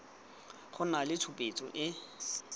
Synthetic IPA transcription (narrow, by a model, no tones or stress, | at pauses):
χʊnalɪtʰʊpʼet͡sʼɔʔɪ